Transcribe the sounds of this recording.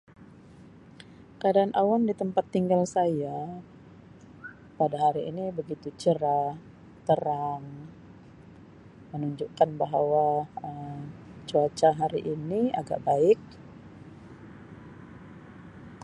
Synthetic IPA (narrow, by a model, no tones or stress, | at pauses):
kadaːnʔawandit̪əmpat̪ːiŋɡalsaja | padaɦaɾiinibəɡit̪ut͡ʃəɾa | t̪əɾaŋ | mənuɲd͡ʒuʔkanbaɦawaəmt͡ʃuat͡ʃaɦaɾiʔinia̰ɡa̰ʔbaɪk̚